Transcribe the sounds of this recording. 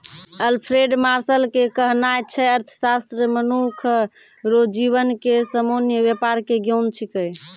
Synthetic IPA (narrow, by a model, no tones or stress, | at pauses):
əlpʰɾeɖmaɾsəlkekəɦnajt͡ʃʰɛəɾt̪ʰə̥sast̪ɾəmənukʰ | ɾod͡ʒiβənkesəmonjəbjepaɾkeɡənt͡ʃʰikəj